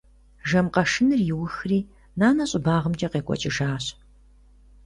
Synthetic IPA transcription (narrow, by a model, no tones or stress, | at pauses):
ʒɐmqɐʂɨnɨrjɪwʊxriː | naːnɐɕʼɪbaːʁəmd͡ʒʼɐqeːkʷʼɔ̰t͡ʃʼɪʒaːɕ